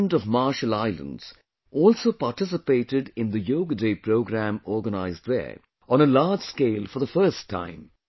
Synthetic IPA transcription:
ndɔvmaːʃəlaɪlə̰̃nɖz̥ | ʔɔːlsoːpaʈɪsɪpeːʈɪɖɪ̃nd̪əjoːɡəɖeːpɾoʊɡɾæ̃mɔːɡənaɪzðɛ̰ | ə̃nəlaːd͡ʒskeɪlfɔðəfɜːstʰːã̰ɪ̃m

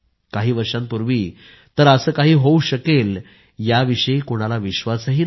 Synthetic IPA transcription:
kaɦiːʋəɾʂãmpuɾʋiː | t̪əɾəsəːkaɦiːɦouɕəkel | jaʋiɕəikoɽ̃alaʋiɕʋasɦiː

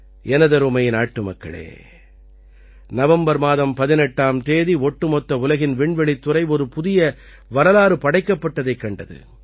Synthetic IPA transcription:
ɛnɐðɐɾɯmɐjnaːʈːɯmɐkːɐ̰ɭḛː | nɐʋɐmbɐɾmaːðɐmpɐðɪnɛʈːaːmt̪eːðiɔʈːɯmɔt̪ːɐʊlɐɣɪnʋɪɳʋɛɭit̪ːɯɾɐɪɔɾɯpʊðɪjɐ | ʋɐɾɐlaːɾɯpɐɽɐɪkːɐpːɐʈːɐðɐɪkːɐɳɖɐðɯ̰

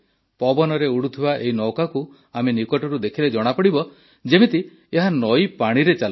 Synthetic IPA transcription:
pɔbɔnɔɾeuɽut̪ʰibaʔeinɔwkaku | amenikɔʈɔɾud̪ekʰiled͡ʒɔɽ̃apɔɽibɔ | d͡ʒemit̪i | eɦanɔjpaɽ̃iɾet͡ʃal

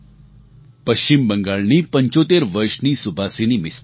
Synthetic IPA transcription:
pəɕt͡ɕimbəŋɡaɭniːpəɲt͡ɕot̪eɾʋəɾʂniːsubʱaseniːmis

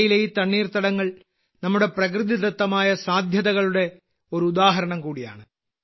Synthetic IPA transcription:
jileːjit̪ɐɳːiːrt̪ɐɽɐŋːɐɭ | nɐmːuɽe̞prɐk̬rɨðit̪ɐt̪ːɐmaːjɐsaːd̪ʱjɐðɐɣɐɭuɽe̞ | o̞ɾuud̪aːɦɐɾɐɳɐmkuːɽija̰ːɳɨ

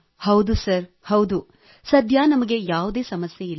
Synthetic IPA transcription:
hɐwd̪usɐɾ | hɐwd̪u | sɐd̪ʱjaːnɐmɐɡe̞jaːʋud̪e̞ːsɐmɐsjeilː

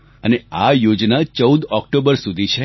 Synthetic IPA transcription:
əneajod͡ʒnat͡ʃəwd̪ɔkʈobəɾsud̪ʱit͡ʃʰe

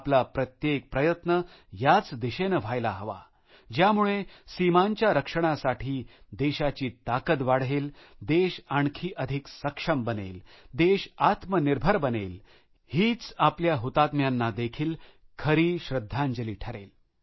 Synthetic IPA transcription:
plapɾət̪jek̚pɾəjət̪nə | jat͡sd̪iɕenəʋ̤ʱajlaɦəʋa̰ | d͡ʑjamuɭesimaɲt͡ɕjaɾəkʂəɽ̃asaʈʰiː | d̪eɕat͡ɕiːt̪akət̪ʋaɽ̤ɦeld̪eɕaɳkʰiːʔəd̪ʱiksəkʂəmbənḛld̪eɕat̪məniɾbʱəɾbənel | hiːt͡sapljaɦut̪at̪mjanːad̪ekʰiːlkʰəɾiːɕɾəd̪ʱːãɲd͡ʑəliːʈʰəɾḛl

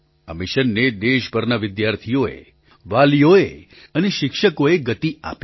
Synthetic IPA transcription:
aə̰mɪʃənːed̪eʃpəɾnaʋɪd̪jaɾt̪ʰijoḛ | ʋaljoe | əneʃɪkʃəkoeɡət̪ia̰p

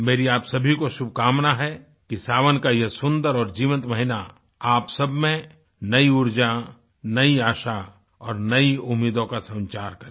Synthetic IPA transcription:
meːɾiaːpsɐbʱikoʃʊb̚ʱkaːmnaɦɛ | kisaːʋənkajɐsʊ̃nd̪əɾɔːɾd͡ʒiːʋə̃nt̪məɦɪna | aːpsɐbʱmẽ | nɐiʊɾd͡ʒa | nɐiaːʃa | ɔːɾnɐiʊmːiːd̪õkasɐ̃nt͡ʃaːɾkɐɾe

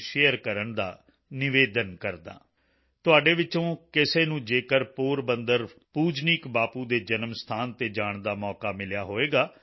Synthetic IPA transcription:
ʃeːjəɾkəɾəɳd̪a̰ː | nɪʋeːd̪ənkəɾd̪a̰ː | t̪ʊaːɖeːʋɪt͡ʃõːkɪseːnũːd͡ʒeːkəɾpoːɾbənd̪əɾpuːd͡ʒniːkbaːpũːd̪eːd͡ʒənəmst̪ʰaːnt̪eːd͡ʒaːɳd̪aːmɔːkaːmɪljaːɦoːeːɡaː

